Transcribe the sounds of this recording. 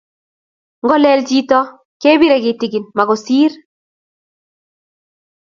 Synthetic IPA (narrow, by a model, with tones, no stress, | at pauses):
ŋɡɔ˦lɛ˦lt͡ʃi˦tɔ˦ | ke˦bi˦ɾe˨ɡɪti˨ɡi˨nma˨ɡɔ˨siː˦ɾ